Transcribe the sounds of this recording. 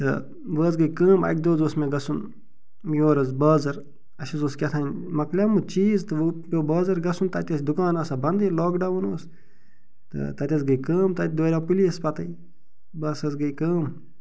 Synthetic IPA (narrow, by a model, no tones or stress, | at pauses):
t̪ɨ̰ | ʋəːzɡɐjkəːmɐ̰k̚ʲd̪oːzoːsmeɡɐsun | joːɾɐzbəːzɐɾ | ɐʃɐzoːskʲɐt̪ʰɐːnʲmɐklʲamut͡ʃiːzt̪ɨʋpʲoːbəːzɐɾɡɐsunt̪ɐt̪ʲɐsʲd̪ukaːnɐːsɐbɐnd̪iloːkɖɐʋunoːs | t̪ɨ̰t̪ɐt̪ʲɐsɡɐjkəːmt̪ɐt̪̚ʲd̪oːɾʲaːpiliɐspɐt̪ɐi | bɐːsɐzɡɐjkəːm